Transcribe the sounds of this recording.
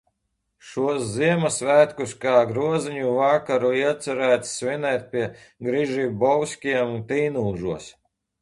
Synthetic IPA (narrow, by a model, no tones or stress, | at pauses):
ʃuɔsziɛmasvæːt̪kuskaːɡɾuɔziɲuvakaɾuiɛt̪sɛɾæːt̪sːvʲinɛːt̪̚ʲpʲiɛ | ɡɾiʒiːbɔwsʲkʲiɛmnt̪iːnuːʒuɔs